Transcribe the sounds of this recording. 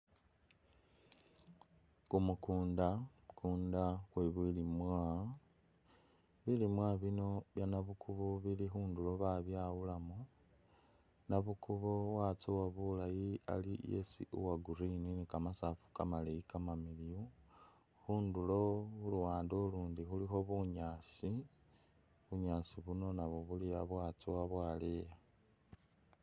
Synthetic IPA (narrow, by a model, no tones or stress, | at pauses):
kumukuːnda | kʰuːndaxweβilimwa | βilimwaβino̞βjanaβukʰuβoβilixuːndulo̞βaβjawulamu | naβukuβoɣwat͡siwaβulajia̰lijḛsḭʔuwaɡuɾininikamasafu̥kamaleikamamiliu | xuːndulo̞uluwaːndoluːndixulixo̞βuɲasi | βuɲaːsiβuno̞naβoβulijaβwaːt͡siwaβwaːleja